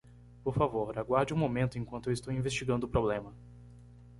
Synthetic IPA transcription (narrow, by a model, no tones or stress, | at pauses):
poɾfavoɾɾaɡwaɾd͡ʒɪũmomẽnt̪ʊẽŋkwɐ̃t̪ʊewɪst̪owĩvest͡ʃiɡɐ̃nd̪ʊːpɾoblẽmɐ